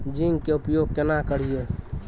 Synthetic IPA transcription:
d͡ʒiŋkeupjoɡ̚kenakəɽ̤ie

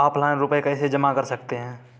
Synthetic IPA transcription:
aːplaɪ̃nɾʊpekɛːsed͡ʒəmakɐɾsɐk̚t̪eɦɛ̃ː

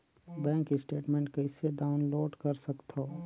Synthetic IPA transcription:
bɛ̃ːŋkɪsʈeːʈmẽɳʈkɛɪseɖaːʊnloːɖkɐɾsɐkt̪ɦoː

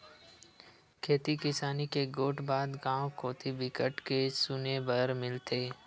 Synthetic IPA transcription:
kʰeːt̪ikɪsaːnikeɡoːʈbaːd̪ɡãːõkoːt̪ʰibɪkəʈkesʊnebəɾmɪlt̪ʰeː

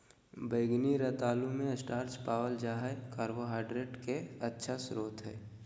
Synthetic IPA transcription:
bəːɡniɾɐt̪aːlumẽəsʈaːɾt͡ʃpaːwəld͡ʒaːɦakaːɾboɦaːɪɖɾeːʈkeɐtːʃʰasʊɾoːt̪ɦɛ̰ː

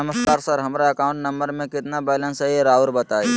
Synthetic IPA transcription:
əməskaːɾsəɾɦɐmɾaɐkaːʊ̃ɳʈnɐ̃mbəɾmẽkɪt̪nabɛːlə̃nsəɦiɾaːuɾbɐt̪aːe

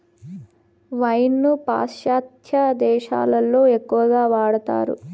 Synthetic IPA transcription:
ʋɐjnːupa̰ːʃjaːt̪jɐd̪ɛːʃa̰ːlɐlːo̞ːe̞kːuʋɐɡaːʋaːɽɐt̪a̰ːɾṵ

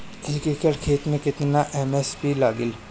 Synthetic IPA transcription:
ɦɪkikəʈkʰeːt̪mẽkɪt̪naʔɛmɛːspilaːɡɪl

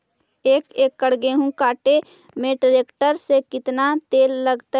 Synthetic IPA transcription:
eːkeːkːəɽ̤ɡeɦũkaːʈe | mẽʈɾeːkʈəɾsekɪt̪nat̪eːlːəɡt̪a

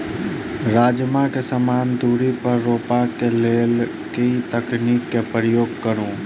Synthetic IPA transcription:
ɾaːd͡ʒmakesəmaːnd̪uːɾipɐɾːoːpakeleːl | ket̪əkniːkːepɾəjoːɡ̚kəɾũː

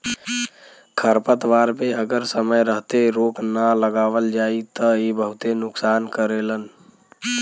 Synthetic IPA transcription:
kʰəɾpət̪ʋaːɾpeəɡəɾsəməjɾəɦt̪eɾoːknələɡaːʋəld͡ʒaːit̪əibəɦʊt̪enʊksaːnkəɾelən

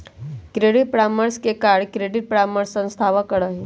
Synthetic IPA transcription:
kɾeɽiʈ̚pɾaməɾskekaɽkɾeɖiʈ̚pɾaməɾsːə̃nst̪ʰaʋəkəɽəɦe

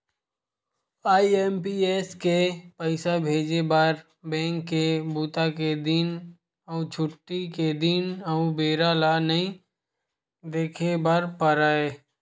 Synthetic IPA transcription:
aːiempieːskepəɪsabʱeːd͡ʒebəɾ | bɛ̃ːŋkːebuːt̪aked̪ɪn | ɔʊt͡ʃʰʊʈːiked̪ɪnəubeːɾalanəĩ | d̪eːkʰebəɾpəɾaːeː

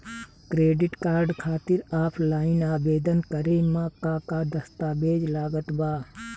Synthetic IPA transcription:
kɾeːɖɪʈkaːɾɖkʰaːt̪ɪɾaːpʰlaːɪnaːbeːd̪ənkəɾemãːkaːkad̪əst̪aːbeːd͡ʒlaːɡət̪baː

